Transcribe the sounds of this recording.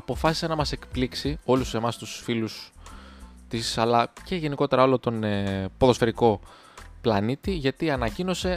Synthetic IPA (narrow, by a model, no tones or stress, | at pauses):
ɐpo̞fɐsi̥senɐmɐse̞kpliksio̞luse̞mɐst̪usfilus | t̪isɐlɐce̞ʝe̞niko̞t̪e̞ɾɐo̞lo̞t̪o̞npo̞ðo̞sfe̞ɾiko̞ | plɐnit̪iʝɐt̪iɐnɐcino̞se̞